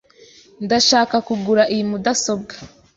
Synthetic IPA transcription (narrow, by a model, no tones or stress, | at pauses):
ndaʃaːkakuɡuɾaʔijimudaso̞b̚ɡḁ